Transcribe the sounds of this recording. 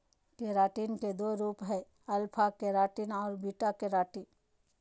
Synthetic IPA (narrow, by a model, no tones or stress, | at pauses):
keːɾaːʈiːnked̪oːɾuːpɦɛ | ɐlpʰakeɾaːʈinɔːɾbiːʈakeɾaːʈi